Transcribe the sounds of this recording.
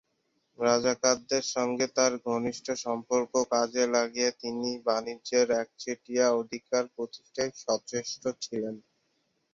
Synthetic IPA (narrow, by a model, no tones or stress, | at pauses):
ɾad͡ʑakad̪ːeɾʃɔŋɡet̪aɾɡʱoniʃʈʰoʃɔmpoɾkokad͡ʑelaɡiet̪inibanid͡ʑeɾɛk̚t͡ɕʰeʈijaod̪ʱikaɾpɾot̪i̥ʃʈʰajʃɔt͡ɕeʃʈot͡ɕʰilen